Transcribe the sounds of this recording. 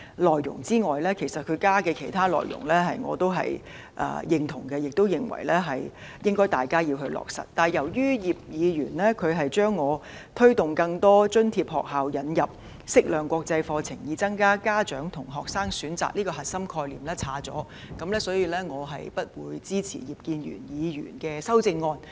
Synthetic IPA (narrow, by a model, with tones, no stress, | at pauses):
lɔː˨jːʊ̰˨˩ŋt͡siː˥ŋɔː˨jlɛː˥kʰe˨˩jsɐ˨t̚kʰɵ˨˧ɥkaː˥kɛː˧kʰe˨˩jt̪ʰaː˥lɔ̰ː˨jʊ̰˨˩ŋlɛː˥ɦɐ˨jŋɔ̰ː˨˧t̪o˥wɦɐ̰˨j | ʔɐ̰ː˧jɪ˨˧ŋt̪ʰʊ˨˩ŋkɛ˧jɪ˨k̚t̪o˥wjɪ˨˩ŋwɐ̰˨˩jlɛː˥ɦɐ˨j | jɪ˥ŋkɔː˥jt̪aː˨jkaː˥jiː˧wɦɵ˧ɥlɔ̰ː˨k̚sɐ̰˨˩t̚t̪ːaː˨˩njɐ˨˩wjyː˥jiː˨p̚jiː˨˧jyː˨˩nlɛː˥kʰɵ˨˧ɥɦɐ˨jt͡ʃœː˥ŋːɔː˨˧ | t̪ʰɵ˥t̪ʊ˨˩ŋkɐ˧ŋt̪ɔː˥t͡ʃɵ˥nt̪ʰiː˧p̚hɔː˨k̚ɦaː˨wjɐ˨˥njɐ˨p̚ | sɪ˥k̚lœː˨˩ŋkʷɔː˧k̚t͡sɐ˧jfɔː˧t͡sʰɪ˨˩ŋjiː˨˧t͡sɐ˥ŋkaː˥kaː˥t͡ʃœː˨˥ŋt̪ʰʊ˨˩ŋɦɔː˨k̚saː˥ŋsyː˨˥nt͡sa̰ː˨k̚liː˥kɔː˧ɦɐ˨t̚sɐ˥mkʰɔː˧jliː˨mlɛː˥t͡sʰaː˨˥t͡sɔ̰ː˨˥ | kɐ˨˥mlɛː˥sɔː˨˥jiː˨˧lɛː˥ŋɔː˨˧ɦɐ̰˨jpɐ˥t̚wuː˨˧jt͡siː˥t͡sʰḭː˨˩jiː˨˩p̚kiː˧njy̰ː˨˩njiː˨˧ɥy̰ː˨˩nkɛː˧sɐ˥wt͡sɪ˧ŋːɔː˧n